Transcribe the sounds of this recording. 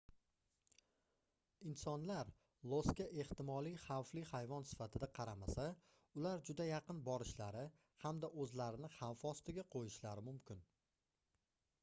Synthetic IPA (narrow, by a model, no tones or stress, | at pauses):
ɪnsɒnlaɾ | lˠoskʲaʔe̞ht̪ɪmɒlijχawflihajvɒnsɪ̥fat̪ʰɪd̪aqʰɑɾamasa | ʊlaɾd͡ʒʊd̪ajɑqɨnbɒɾɪʃlaɾɪ | hamd̪aʔɵzlaɾɪnɪχawfɒst̪ɪɡʲaqʰojɪʃlaɾɪmʊmkʲʰɪn